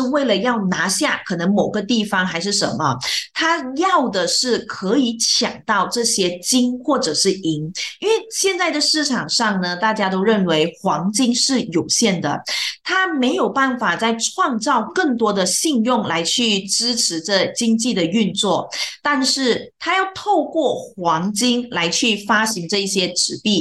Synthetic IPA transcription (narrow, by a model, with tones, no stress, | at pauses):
we˥˩ɪlə˩jɑ˥˩ʊna˧˥ɕja˥˩kʰɤ˨˩nɤ˧˥ŋmo˨˩ʊɡə˧˦t̪i˥˩fɑ˩ŋxa˧˥ɪʂ̬ɻ̩˥˩ʂə̰˧˥nmə˧t̪ʰa˥jɑ˥˩ʊd̪ə˩ʂɻ̩˥˩kʰɤ˧˥i˧˥t͡ɕʰjɑ̰˨˩ŋt̪ɑ˥˧ʊʈ͡ʂɤ˥˩ɕjɛ˥t͡ɕi˥nxwɔ˥˩ʈ͡ʂɤ˨˩ʂɻ̩˥˩i˧˥ŋi˥nwe˥˩ɪɕjɛ˥˧nt͡sa˥˩ɪd̪ə˩ʂɻ̩˥˩ʈ͡ʂʰɑ˨˩ŋʂɑ˥˩ŋnə˩t̪a˥˩t͡ɕja˥t̪̬o˥ʊɻə˥˩nwe˧˥ɪxwɑ˧˥ŋt͡ɕi˥ŋʂɻ̩˥˩jo˨˩ʊɕjɛ˥˩nd̪ə̰˩t̪ʰa˥me˧˥ɪjo˨˩ʊpa˥˩nfa˨˩t͡sa˥˩ɪʈ͡ʂʰwɑ˥˧ŋt͡sɑ˥˧ʊkɤ˥˩ŋt̪wɔ˥d̪ə˨ɕi˥˧ŋjʊ˥˩ŋla˧˥ɪt͡ɕʰy˥˩ʈ͡ʂɻ̩˥ʈ͡ʂʰɻ̩˧˥ʈ͡ʂə˥˩t͡ɕi˥ŋt͡ɕi˥˩d̪ə˩y˥˧nt͡swɔ˥˩t̪a˥˧nʂɻ̩˥˩t̪ʰa˥jɑ˥˧ʊt̪ʰo˥˧ʊkwɔ˥˩xwɑ˧˥ŋt͡ɕi˥ŋla˧˥ɪt͡ɕʰy˥˩fa˥ɕi˧˥ŋʈ͡ʂɤ˥˧i˥˩ɕjɛ˥ʈ͡ʂɻ̩˧˥pi˥˩